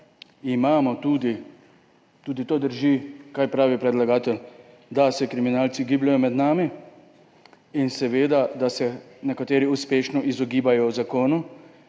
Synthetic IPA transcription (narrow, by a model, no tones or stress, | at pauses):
imaːmɔt̪uːd̪i | t̪uːd̪it̪oːd̪əɾʒikajpɾaːʋipɾɛd̪laɡaːt̪ɛl | d̪asɛkɾiminaːlsiɡiːblajɔmɛd̪naːmi | insɛʋeːd̪ad̪asɛnɛkat̪eːɾiuspeːʃnɔʔizɔɡiːbajɔwzakoːnu